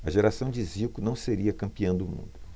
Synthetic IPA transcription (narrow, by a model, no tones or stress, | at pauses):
ɐʒeɾasɐ̃w̃d͡ʒɪziwkʊnɐ̃w̃seɾiɐkɐ̃mpiɐ̃w̃d̪ʊmṵ̃d̪ʊ